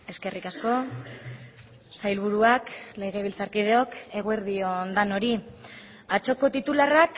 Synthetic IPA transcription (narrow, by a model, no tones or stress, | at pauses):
e̞ske̞rʔikasko̞ | sajlβ̞uɾuaklejɣeβ̞ilt͡saɾkið̞eo̞ke̞ɣ̞ue̞ɾðio̞nd̪ano̞ɾi | at͡ʃo̞ko̞t̪it̪ularak